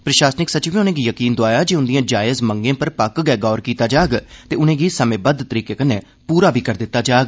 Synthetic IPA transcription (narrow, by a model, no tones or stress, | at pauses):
pɾəʃaːsnɪksət͡ʃiʋẽʊnẽːɡiːjəkiːnd̪ʊaːjaːd͡ʒiːʊnd̪ijãːd͡ʒaːjəzməŋɡẽːpəɾpəkɡɛːɡɔːɾkiːt̪aːd͡ʒaːɡt̪eːʊnẽːɡiːsəmẽːbəd̪t̪əɾiːkeːkəneː | puːɾaːbʱiːkəɾd̪ɪt̪ːaːd͡ʒaːɡ